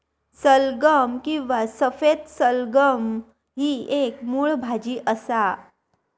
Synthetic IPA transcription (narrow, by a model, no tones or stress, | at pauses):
səlɡəmkĩʋasəfed̪səlɡəm | ɦiekmuɭbʱad͡ʑiːʔəsa